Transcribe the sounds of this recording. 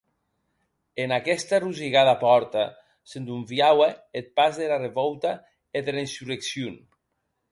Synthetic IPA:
enakɛst̪aruziɣaðapɔɾt̪a | send̪uɱfjaweet̪̚pazðelareβɔwt̪a | eðelensureksjun

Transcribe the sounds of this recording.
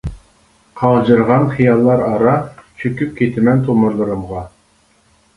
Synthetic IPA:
qʰɑʁd͡ʒɨɾʁɑnχijɑlˠːɑɾɑɾɑt͡ʃʰøkʲyp̚kʲʰet̪ɪmɛnt̪ʰomuɾlˠɨɾɨmʁɑ

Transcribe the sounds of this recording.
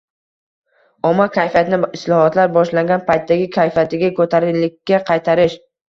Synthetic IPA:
ɒmakʲʰajfijat̪ɪnɪɪslˠɒhɒt̪laɾbɒʃlaŋɡʲanpʰajt̪̚dːaɡʲɪkʲʰajfjat̪ʰɪɡʲakʰɵt̪ʰaɾɪlɪkʲːaqʰɑjt̪ʰaɾɪʃ

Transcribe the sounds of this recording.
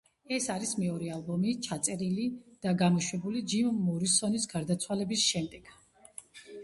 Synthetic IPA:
ɛsaɾismɛɔɾɛalˠbɔmit͡ʃʰat̪sʼɛɾilid̪̥aɡamɔʃwɛbulid͡ʒimːɔɾisɔnisɡaɾd̪at̪sʰwalɛbisʃɛmd̪ɛɡ̥

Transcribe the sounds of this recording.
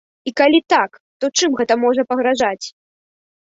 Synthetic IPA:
ikalʲit̪ak | t̪ɔt͡ʂɨmɣɛt̪ɐmɔʐɐpɐɣɾaʐat͡sʲ

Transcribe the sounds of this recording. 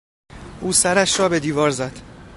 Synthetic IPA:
ʔuːsæɾæʃɾɒːbe̞d̪iːvɒːɾzæd̪̥

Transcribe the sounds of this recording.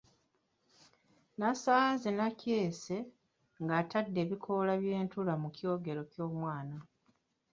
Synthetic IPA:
nasaːzenaceːse̞ | ŋɡaːtadːe̞ːβikʰo̞laβje̞ːntulamucjo̞ːɡe̞ɾo̞cjo̞ːmwaːna

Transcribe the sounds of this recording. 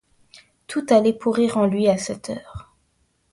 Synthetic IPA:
t̪ʰut̪alɛpʰuʁiʁɑ̃lɥiasɛt̪ʰœːʁ

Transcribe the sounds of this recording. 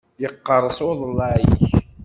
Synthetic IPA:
jəqːəɾˤːəsˤʊðˤəlːɑʕḭç

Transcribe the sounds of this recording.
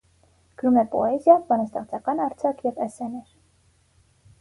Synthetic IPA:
ɡ̥əɾumɛpɔ̰ɛzjɑbɑnɑst̪ɛχt͡sʰɑkɑnɑɾt͡sʰɑkʰjɛvɛsɛnɛɾ

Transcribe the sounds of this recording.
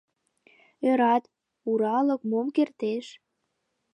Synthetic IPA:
øɾɑt̪ | uɾɑlə̆kmomkert̪eʃ

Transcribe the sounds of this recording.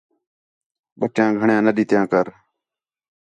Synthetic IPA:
ɓəʈjãːɡʱəɳjãːnəɗiːt̪jãːkəɾ

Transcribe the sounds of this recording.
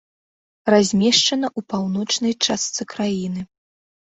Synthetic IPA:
razʲmʲɛʂt͡ʂɐn̪ɐʔupawnɔt͡ʂnɐjt͡ʂast̪sɨkɾajinɨ

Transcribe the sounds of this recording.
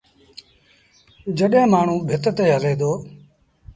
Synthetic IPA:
d͡ʒəɗjãːmaːɳ̤ũːbʱɪt̪t̪eːɦəleːd̪oː

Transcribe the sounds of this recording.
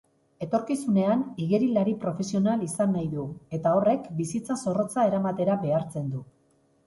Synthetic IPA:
e̞t̪o̞ɾkisune̞aniɣeɾilaɾipɾo̞fe̞sio̞nalisanːajðue̞t̪ao̞re̞kbisit͡saso̞ro̞t͡sae̞ɾamat̪e̞ɾaβe̞aɾt͡se̞nd̪u

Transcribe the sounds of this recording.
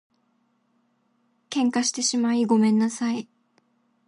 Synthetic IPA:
kẽ̞ŋkaɕi̥t̪e̞ɕimaiɡo̞mẽ̞nːasai

